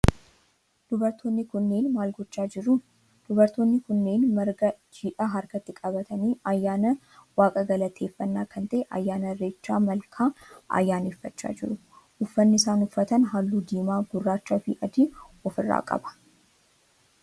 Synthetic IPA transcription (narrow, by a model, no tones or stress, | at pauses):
d̪̥ʊbɐɾt̪ʰoːnːɪkʊnːe̞ːnmaːlɡɔt͡ʃːaːd͡ʒɪɾʊ | d̪̥ʊbɐɾt̪oːnːɪkʊnːe̞ːnmɐɾɡɐd͡ʒiːᶑaɦɐɾkɐt̪ːɪkʼɐbɐt̪ʰɐniːʔɐjːaːnɐ | waːkʼɐɡɐlɐt̪ʰeːfːɐnːaːkʰɐnt̪ɐʔɛʔɐ̰jːaːnɐrːe̞ːt͡ʃːaːmɐlkʰaːʔɐ̰jːaːneːfːɐt͡ʃːa̰ːd͡ʒɪɾʊʔʊfːɐnːɪsaːnʊfːɐt̪ɐnɦaːlːuːd̪iːmaːɡʊrːaːt͡ʃːaːfɪʔɐd̪ɪɔfɪrːa̰ːkʼɐ̰bɐ̥